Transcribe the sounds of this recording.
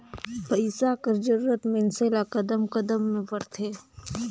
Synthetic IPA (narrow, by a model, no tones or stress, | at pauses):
pəɪsakɐɾd͡ʒəɾuːɾət̪menseːlakɐd̪əmkɐd̪əmːẽbɐɾt̪ʰeː